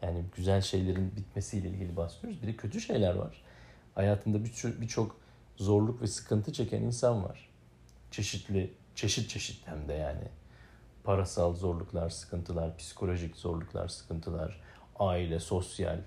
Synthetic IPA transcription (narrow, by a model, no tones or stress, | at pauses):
jaːnɪɟyzælʲʃe̞jlʲeɾinbit̪me̞siːlʲɛḭlʲɟilʲibasijoɾuzbid̪ɛcʰø̞t̪ʰyʃe̞jlʲæɾva̰ɾ̥ | hajaːt̪ʰɯnd̪abit͡ʃʰo̞k | zo̞ɾlˠukvɛsɯ̥kʰɯnt̪ʰɯt͡ʃʰe̞cʰæ̰ninsanva̰ɾ̥ | t͡ʃʰe̞ʃit̪lʲɪ | t͡ʃʰe̞ʃit̪̚t͡ʃʰe̞ʃi̥t̪lʲæmd̪ɛjaːnɪ̰ | pʰaɾasalˠzo̞ɾlˠuklˠaɾsɯ̥kʰɯnt̪ʰɯlˠaɾpʰi̥si̥kʰo̞lʲo̞ʒicz̥o̞ɾlˠuklˠa̰ɾsɯ̥kʰɯnt̪ʰɯlˠa̰ɾ̥ | aːilʲɛso̞sja̰lʲ